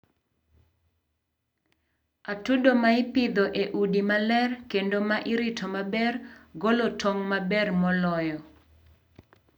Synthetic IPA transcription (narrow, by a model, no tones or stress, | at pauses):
atudomaɪpɪd̪ɔʔeʔudimalɛrkendomaʔɪɾɪtʰomabɛrɡolotʰoŋmabɛrmɔlɔjɔ